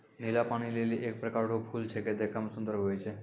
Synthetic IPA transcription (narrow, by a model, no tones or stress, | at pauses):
nilapanileliʔek̚pɾekaɾɖopʰult̪ʰeked̪ekʰamsund̪ɾɦojet͡ɕʰe